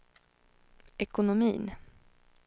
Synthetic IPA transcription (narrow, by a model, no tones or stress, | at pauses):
ɛkʊnʊmiːn